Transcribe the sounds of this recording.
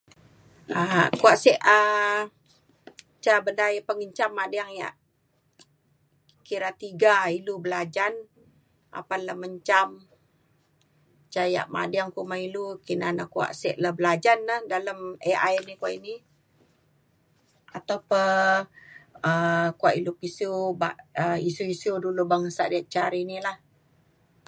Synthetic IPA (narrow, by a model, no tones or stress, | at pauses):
əkuaʔsɛʔə | t͡ʃabəndajapəŋəɲt͡ʃamːadiaŋja̰ʔ | kiɾat̪iɡailubəlad͡ʒan | a̰paləməɲt͡ʃam | t͡ʃaja̰ʔma̰diaŋkumailukinanakua̰ʔsɛʔləhbəlad͡ʒanːahdaləməʔajnikuwa̰ʔini | at̪awpə | əkuaʔilupisubaʔəisuisudulubaŋəsa̰ʔdiaʔ̚t͡ʃaɾinilah